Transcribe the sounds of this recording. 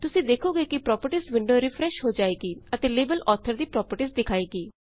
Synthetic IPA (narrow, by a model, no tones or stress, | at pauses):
t̪ʊsĩːd̪eːkʰoːɡeːkipɾɔːpəɾʈiːsʋɪ̃ɳɖoːɾɪpʰɾɛːʃɦoːd͡ʒaːeːɡiːət̪eːleːbəlʔɔːt̪ʰəɾd̪iːpɾɔːpəɾʈiːsd̪ɪkʰaːeːɡiː